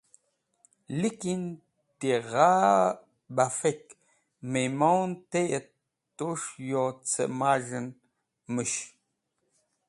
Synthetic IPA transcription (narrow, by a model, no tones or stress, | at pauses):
likin | t̪iʁaː | bafek | memownt̪ejə | t̪ːuʂjot͡sʰə̰maʒən | məʃ